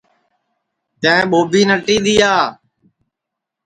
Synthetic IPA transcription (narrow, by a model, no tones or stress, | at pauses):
t̪ɛ̃ːɓoːbiːnəʈːiːd̪iːaː